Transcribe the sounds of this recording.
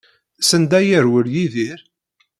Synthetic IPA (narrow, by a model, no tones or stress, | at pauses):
sənd̪æjəɾwəɾjiðiɾ